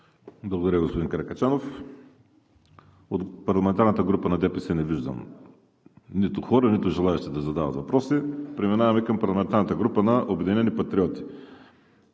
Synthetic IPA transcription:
blˠɐɡod̪ɐɾəɡospod̪inkɾɛkɐt͡ʃanof | ot̪pɐɾlˠɐmɛnt̪aɾnɐt̪əɡɾupɐnɐd̪ɛpisɛnɛviʒd̪ɐ̰m | nit̪ʊxɔɾɐnit̪ʊʒɛlˠaɛʃt̪ɛd̪ɐzɐd̪avɐt̪vɐpɾɔsipɾɛminavɐmikɐmpɐɾlˠɐmɛnt̪aɾnɐt̪əɡɾupənɐʔobɛd̪inɛnipɐt̪ɾiɔt̪i̥

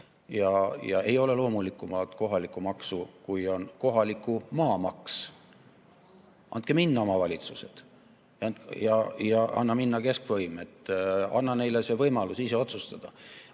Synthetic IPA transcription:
jɑjɑ̰e̞jo̞le̞lo̞ːmulikːˑumɑlt̪ˑko̞ɦɑlikːˑumɑksukujo̞nko̞ɦɑlikːˑumɑːmɑks | ʔɑ̰nt̪̚keminːɑomɑvɑlʲit̪suse̞d̪̥ | jɑɑnt̪jɑjɑɑ̰nːɑminːɑke̞skvɤjme̞t̪ːɑnːɑne̞jle̞se̞vɤjmɑlusise̞o̞t̪sust̪ɑd̪̥ɑ

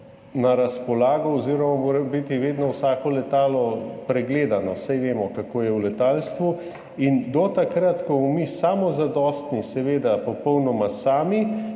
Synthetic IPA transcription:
naɾaspɔlaːɡɔɔziːɾɔmamoːɾɛmbit̪iʋeːd̪nɔwsaːkɔlɛt̪aːlɔpɾɛɡleːd̪anɔsajʋeːmɔkakoːjɛwlɛt̪aːlst̪ʋu | ind̪ɔt̪akɾat̪kɔmɔmisamɔzad̪ɔːst̪nisɛʋeːd̪apɔpɔwnɔmasaːmi

